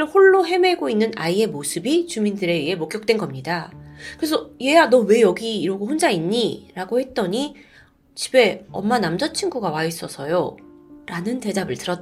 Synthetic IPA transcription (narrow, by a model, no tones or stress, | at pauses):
ɾɯɭhoɭːoɦe̞me̞ɡoinːɯna̰ie̞mosʰɯbit͡ɕumindɯɾe̞iɦe̞mok͈jʌk̚t͈we̞nɡʌmɲidakɯɾesʰʌje̞janʌwe̞jʌɡiːɾoɡohond͡ʑainːiɾaɡohe̞t̚t͈ʌɲi | t͡ɕi̥be̞ʌmːanamd͡ʑʌt͡ɕʰinɡuɡawais͈ʌsʰʌjoɾanɯnte̞dabɯɭtɯɾʌ